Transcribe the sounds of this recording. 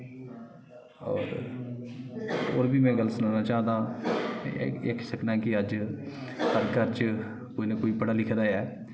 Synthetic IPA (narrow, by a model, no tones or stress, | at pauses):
ɔ̰ːɾ | o̰ːɾbʱiːmɛ̃ːɡəlːsənaːnaːt͡ʃaːnd̪ãː | ɪksəkʰnãːkɪəd͡ʒ | həɾkəɾt͡ʃ | koːinẽːkoːiːpəɽaːlɪkʰd̪aːɛː